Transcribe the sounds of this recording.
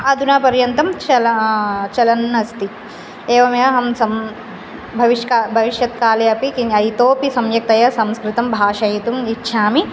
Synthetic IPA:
ɐd̪ʱunaːpɐɾjɐnt̪ɐmt͡ʃɐlɐt͡ʃɐlɐnːɐst̪i | eːʋɐmjɐɦɐmsɐm | bʱɐʋiʃkabʱɐʋiʃjɐt̪kaːleɐpikinɐjt̪oːpisɐmjɐk̚t̪ɐjɐsɐmskɾɪt̪ɐmbʱaːʃɐjit̪umitːʃʰaːmi

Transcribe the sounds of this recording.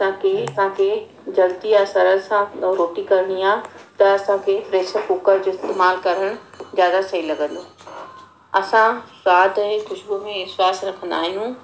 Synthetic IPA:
ɐsãkeɐsãkʰe | d͡ʑɐlt̪iasɐɾəɾsãɾoːʈikɐɾɽ̃iaːt̪ɐɐsãkʰefɾeːsəkukəɾd͡ʑoːɪst̪eːmaːlkɐɾəɽ̃zjaːd̪asɐilɐɡə̃nd̪oː | ɐsãɾaːd̪ekʊʃbumẽɪswaːsɾɐkʰənd̪a̰ːɦijũ

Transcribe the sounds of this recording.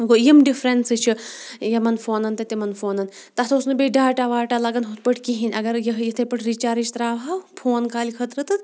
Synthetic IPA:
ɡojimɖifɾensɨt͡ʃʰijɐmɐnfoːnɐnt̪ɐt̪imɐnfoːnɐn | t̪ɐt̪ɐusnɨbʲeɖaːʈaʋaːʈaːlɐɡɐnɦut̪pɐʈʰkiɦinʲɐɡɐɾjɐɦjɐt̪ʰɐjpɐʈʰɾit͡ʃaːɾit͡ʃt̪ɾaːʋɦaːwpʰoːnkaːlʲikʰɐt̪ɾɨt̪ɨt̪

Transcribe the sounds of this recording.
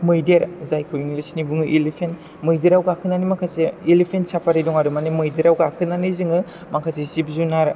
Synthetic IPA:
mɯjdeɾzajkʰɯjnilisnibuŋɯʔilepʰen | mɯjdiɾawɡakʰɯnanimakʰaseilepʰensapʰaɾiduŋaɾumanimɯjdiɾawɡakʰɯnaniziŋɯ | makʰasesip̚zunaɾ

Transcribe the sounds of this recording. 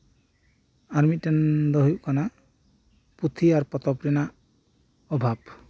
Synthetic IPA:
aɾmit̪̚tɛnd̪ɔɦjuʔkana | put̪ʰiaɾpɔt̪ɔpɾina | ɔbʱab

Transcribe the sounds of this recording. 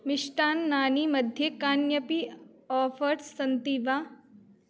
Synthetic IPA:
mɪʃʈaːnːaːnimɐd̪ʱjekaːnjəpi | ɔːfʰəɾsɐnt̪iʋa

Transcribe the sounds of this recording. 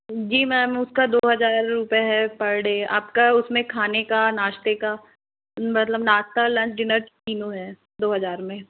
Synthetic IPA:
d͡ʒiːmɛ̃ːmʊskad̪oːɦɐzaːɾːʊpjaɦɛpɐɾɽea̰ːpkaʊsmẽkʰaːnekanaːʃt̪eka | mɐt̪ləbnaːst̪alɐ̃t͡ʃɖɪnəɾkiːnõɦɛː | d̪oːɦɐzaːɾmẽ

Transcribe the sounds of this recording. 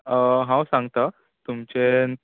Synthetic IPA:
ɦãwsãŋɡt̪ə | t̪umt͡ɕen

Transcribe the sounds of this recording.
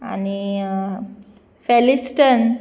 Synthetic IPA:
a̰ni | fɛlisʈən

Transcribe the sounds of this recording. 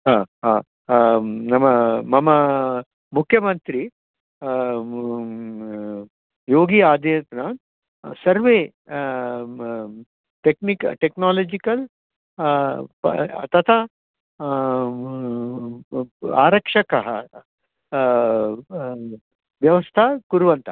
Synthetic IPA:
ɦaːɦaː | nɐmɐmɐmɐ | mukʰːjɐmɐnt̪ɾi | joːɡiaːd̪ʱet̪naːn | sɐɾʋeː | ʈeknikʈeknaːlɐːd͡ʒikɐl | t̪ɐt̪ʰa | a̰ːɾɐkʂɐkɐɦɐ̰ | ʋjɐʋɐst̪ʰakuɾuʋɐnt̪ɐ

